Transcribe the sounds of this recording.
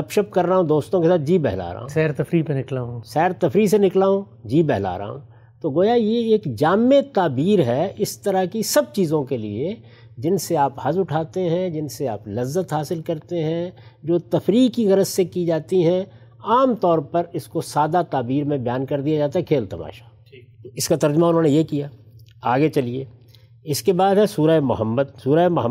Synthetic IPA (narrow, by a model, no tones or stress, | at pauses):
ɐpʃəp̚kɐɾːaɦũd̪oːst̪õkesaːt̪̚ʰd͡ʒiːbɛɦla̰ːɾ̰ɦõ̰sɛːɾt̪ɐfɾipẽnɪklaːɦũsɛːɾt̪ɐfɾis̬enɪklaːɦũ | d͡ʒiːbɛɦla̰ːɾa̰ːɦṵ̃ | t̪oːɡoːjajeeːkd͡ʒaːmːet̪aːbiːɾɦɛɪst̪ɐɾakisɐb̚t͡ʃiːzõkelḭe | d͡ʒɪnseaːphɐzʊʈʰaːt̪eɦɛ̃d͡ʒɪnseaːplɐzːət̪ɦaːsɪlkɐɾt̪eɦɛ̃ | d͡ʒoːt̪ɐfɾiːkːiɣɐɾət̪sekid͡ʒaːt̪iɦɛ̃ | aːmt̪ɔːɾpɐɾɪskosaːd̪at̪aːbiːɾmẽbɐjaːnkɐɾd̪ijad͡ʒaːt̪aɦɛkʰeːlt̪ɐma̰ːʃḁ | ɪskat̪ɐɾd͡ʒəmaʊnɦõːnejekijaː | aːɡet͡ʃɐlieː | ɪskebaːd̪ɦɛsuːɾəemʊɦəmːəd̪̚suːɾəemʊɦə